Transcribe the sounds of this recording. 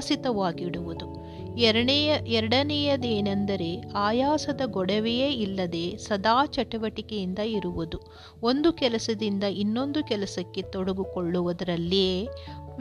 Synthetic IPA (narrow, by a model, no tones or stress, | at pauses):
sit̪ɐʋaːɡiɽuʋud̪u | ɛɾɐɽɐnɛjɐd̪eːnɐnd̪ɐɾe̞aːjaːsɐd̪ɐɡɔɽɐʋejeːilːɐd̪e̞ːsɐd̪aːt͡ʃɐʈɐʋɐʈikejind̪ɐiɾuʋud̪u | ond̪ukɛlɐsɐd̪ind̪ɐʔinːo̞nd̪ukɛlɐsɐkːe̞t̪ɔɽɐɡukoɭːuʋɐd̪ɐɾɐlːijeːʋ